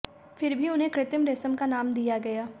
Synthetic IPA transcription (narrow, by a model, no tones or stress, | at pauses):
fɪɾbʱiʊnɦẽkɾɪt̪əmɾeːsəmkanaːmd̪ijaɡɐjaː